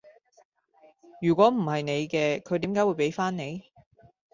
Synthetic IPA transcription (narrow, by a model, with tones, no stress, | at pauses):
jyː˨˩kʷɔː˨˥m̩˨˩hɐ˨jne˨˧jkɛː˧kʰɵ˨˧jt̪iː˨˥mkaː˨˥jwuː˨˧jpe˨˥jfaː˥nne˨˧j